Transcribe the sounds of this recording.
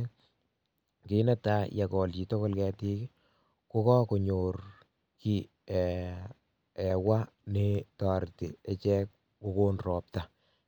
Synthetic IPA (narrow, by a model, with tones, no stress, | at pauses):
kɪ˨nɛ˦ta˦ja˨kɔ˨lt͡ʃi˨tɔ˦kɔ˦lkɛ˨ti˦k | ko˦kɔ˦ko˨ɲo˨r | ki˨ | ɛ˨wa˦ne˦ta˨ɾtḭ˨e˦t͡ʃɛ˦k̚ | ko˦ko˦nrɔ˨p̚ta˨